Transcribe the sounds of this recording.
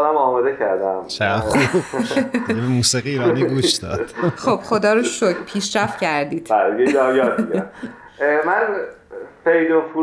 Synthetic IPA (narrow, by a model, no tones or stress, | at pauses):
d̪æmɒːmɒːd̪ecʰæɾd̪æmt͡ʃʰeʁaχub | jebemuːsiɣiːbæmeɡuːʃd̪ɒ̰ːd̪̥χob̥χod̪ɒːɾoʃocʰpʰiːʃɾæft̪cʰæɾd̪iːd̪̥bælijejɒjɒːt̪iɡæm | mæn | fejd̪ofu